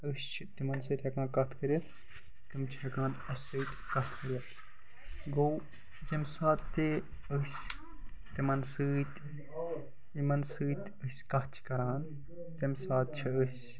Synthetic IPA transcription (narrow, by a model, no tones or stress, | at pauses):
əsʲt͡ʃʰit̪imɐnsɨːt̪ʲhekãːnkɐt̪ʰkɐɾɐt̪ | t̪imt͡ʃʰihɐkaːn | ɐsɨːt̪ʲkɐt̪ʰkɐɾʲɐt̪ | ɡow | jemsaːt̪t̪ːe | əsʲ | t̪imɐnsɨːt̪ʲ | imɐnsɨːt̪ʲ | əsʲkɐt͡ʃʰi̥kɐɾaːn | t̪emsaːt̪̚t͡ʃʰiəsʲ